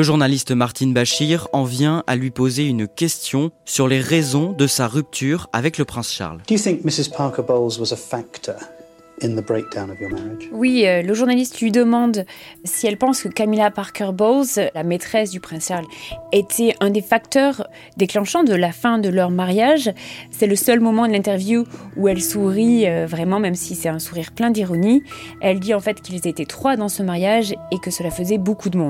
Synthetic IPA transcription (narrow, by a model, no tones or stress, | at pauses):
əʒuʁnalist̪maʁt̪inbaʃiʁɑ̃vjɛ̃ʔa̰lɥipozeynkʲɛst̪jɔ̃syʁleʁezɔ̃d̪əsaʁyp̚t̪ʰyʁa̰vɛkləpχɛ̃sʃa̰ʁld̥əjɨθɪ̃ŋk̚mɪsɪz̥pʰɑˑkəboʊlˠzwʌzəfaktʰə˞ | ɪ̃nðəbɹeɪk̚d̥ãʊ̃nəvjəmæɹɪd̥ʒ̥wiøləʒuʁnalist̪lɥid̪əmɑ̃d̪siɛlpɑ̃skəkamilapaʁkœʁbolzlamet̪χɛsd̪ypχɛ̃sɛlet̪ʰɛʔɛ̃d̪efak̚t̪œʁ | d̪eklɑ̃ʃɑ̃d̪əlafɛ̃d̪əlœʁmaʁjaʒsɛləsœlmɔmɑ̃d̪əlɛ̃t̪ɛʁvjuuɛlsuʁiøvʁɛmɑ̃mɛmsisɛt̪ɛ̃suʁiʁplɛ̃d̪iʁɔniɛld̪iɑ̃fɛt̪kʲilzet̪et̪χwad̪ɑ̃səmaʁjaʒekəsəlafəzɛbokud̪əmɔ̃d̪